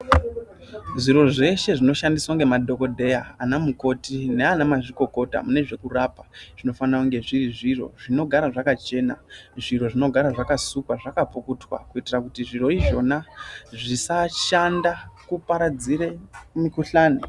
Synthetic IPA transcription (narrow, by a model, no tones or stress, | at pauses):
ʐiɾo̞ʐe̞ʃe̞ʐino̞ʃandiswaŋɡe̞madʱo̞ko̞dʱe̞jaanamuko̞tine̞anamaʐiko̞ko̞ta̰mune̞ʐe̞kurapaʐ̥ino̞fanrakuŋɡe̞ʐiɾiʐiro̞̰ʐino̞ɡʱaɾaʐakat͡ʃe̞ːna̰ʐiro̞ʐino̞ɡʱaɾaʐakasukwaʐakapukutwa̰kuitirakutiʐiro̞iʐo̞naʐisaʃandakupaɾad͡ziɾe̞mikuɬaːni